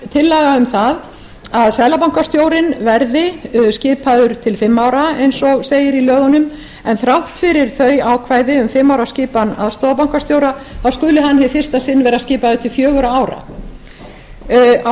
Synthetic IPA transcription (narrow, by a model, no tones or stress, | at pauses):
t̪ʰɪlːɛːɣaʏmθað | aðsɛðlapawŋkast̪joːwɾɪnvɛɾðɪscɪːpaðʏɾ̥t̪ʰɪlfɪmːaːwɾaejnsɔɣseːjɪɾilœːɣɔnʏm | ɛnθɾawht̪fɪɾɪɾ̥θœɥaːwkʰvaːjðɪʏmfɪmːawɾascɪːpana̰ðst̪oːwðapawŋ̥kast̪jowɾaθawskʏːlɪhanːhɪfɪrst̪asɪnːvɛːɾascɪːpaðʏt̪ʰɪlfjœːɣʏɾaaːwɾa̰